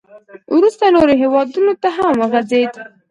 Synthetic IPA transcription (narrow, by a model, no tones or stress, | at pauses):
wɾust̪aloɾeɦewɑd̪unot̪aɦamwəɣazed̪